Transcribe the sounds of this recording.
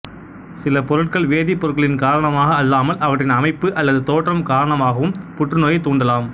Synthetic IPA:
sɪlɐpɔɾɯʈ̚kɐɭʋeːðipːɔɾɯkːɐɭɪnkaːɾɐɳɐmaːɣɐːlːaːmɐlʔɐʋɐʈrɪnɐmɐɪpːɯʔɐlːɐðɯt̪oːʈrɐmkaːɾɐɳɐmaːɣɐʋɯmpʊʈrɯnoːjɐt̪uːɳɖɐlaːm

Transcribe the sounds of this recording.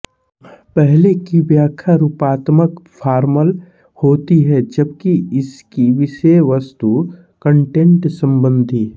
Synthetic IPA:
pɛɦlekibjaːkʰjaɾuːpaːt̪məkfʰaːɾməl | hoːt̪iɦɛd͡ʒəb̚kiɪskiʋɪʃeʋɐst̪u | kə̃ɳʈẽɳʈsə̃mbə̃nd̪ʱiː

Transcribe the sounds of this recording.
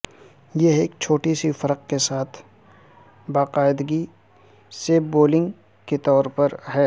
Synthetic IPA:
jeeːk̚t͡ʃʰoːʈisifɐɾəq̚kesaːt̪ʰ | baːqaːɪd̪ɡi | seboːlɪ̃ŋɡ | ket̪ɔːɾpɐɾɦɛː

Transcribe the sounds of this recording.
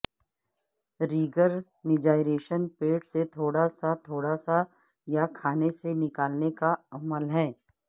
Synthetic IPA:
ɾiːɡəɾ | nɪd͡ʒaːɪɾeːʃənpeːʈset̪ʰoːɽasat̪ʰoːɽasa | jakʰaːnesenɪkaːlnekaɐməlɦɛ̃ː

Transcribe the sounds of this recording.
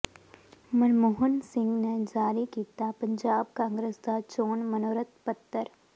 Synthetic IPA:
mɐnmoːɦənsɪ̃ŋɡned͡ʒaːɾikiːt̪apɐ̃ɲd͡ʒaːb̚kãːŋɡɾəsd̪at͡ʃoːnmɐnoːɾət̪pɐt̪ːəɾ

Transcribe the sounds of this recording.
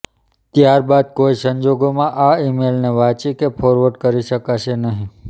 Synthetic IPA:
t̪jaɾbad̪̚koisəɲd͡ʒoɡomãʔaimelneʋãt͡ʃikepʰoɾʋəɾɖkəɾiʃəkaʃenəɦĩ

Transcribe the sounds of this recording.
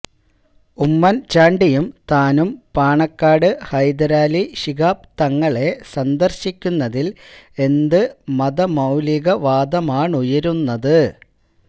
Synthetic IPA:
umːɐnt͡ɕaːɳɖijumt̪aːnumpaːɳɐkːaːɽɨhɐjd̪ɐɾaːliɕiɣaːp̚t̪ɐŋːɐɭe̞sɐnd̪ɐrɕikʲːunːɐðile̞nd̪ɨmɐd̪ɐmɐwliɣɐʋaːd̪ɐmaːɳujɐɾunːɐðɨ

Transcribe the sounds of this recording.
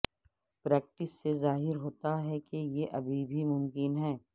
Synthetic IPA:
pɾɛːk̚ʈɪsːezaːɦɪɾɦoːt̪aɦɛkejeʔɐbʱibʱimʊ̃mkɪnɦɛː

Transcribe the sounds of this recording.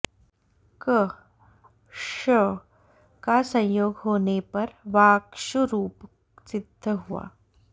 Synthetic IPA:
kə | ʃə | kasɐ̃jjoːɡɦoːnepɐɾʋaːkʃuɾuːp | sɪd̪ʱːəɦua̰ː

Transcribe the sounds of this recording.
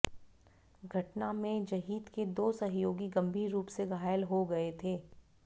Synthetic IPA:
ɡʱɐʈnamẽd͡ʒɐɦiːd̪ked̪oːsɐɦjoːɡiɡɐ̃mbʱiːɾːuːpseɡʱaːjəlɦoɡɐet̪ʰeː

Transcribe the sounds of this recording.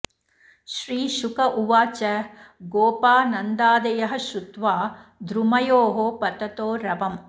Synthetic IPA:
ʃɾiːʃukɐʔuʋaːt͡ʃɐɡoːpaːnɐnd̪aːd̪ɐjɐɦɐ̆ʃut̪ʋaːd̪ɾumɐjoːɦopɐt̪ɐt̪oːɾɐbɐm

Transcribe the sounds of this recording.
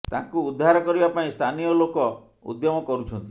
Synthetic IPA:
t̪ã̰kuːd̪ʱːaɾɔkɔɾibapaĩst̪ʰanijɔlokɔ | ṵd̪jɔmɔkɔɾut͡ʃʰɔnt̪i̥

